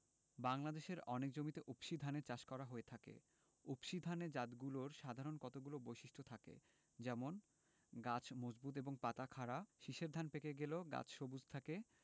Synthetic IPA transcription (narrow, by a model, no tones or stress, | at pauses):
baŋlad̪eʃeɾɔnek̚d͡ʑomit̪eʔupʃid̪ʱaneɾt͡ɕaʃkɔɾaɦoet̪ʰakḛ | upʃid̪ʱaned͡ʑat̪ɡuloɾʃad̪ʱaɾonkɔt̪oɡulobojʃiʃʈʰot̪ʰakḛ | d͡ʑɛmon | ɡat͡ɕʰmod͡ʑbut̪̬eboŋpat̪akʰaɾaʃiʃeɾd̪ʱanpekeɡeloɡa̰t͡ɕʰʃobud͡ʑʱt̪ʰake